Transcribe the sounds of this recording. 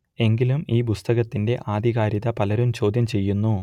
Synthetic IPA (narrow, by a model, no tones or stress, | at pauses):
e̞ŋɡilumiːpust̪ɐɣɐt̪ːinde̞ʔaːd̪ʱiɣaːɾiðɐpɐlɐɾumt͡ɕo̞ːd̪ʱjɐmt͡ɕe̞jːunːu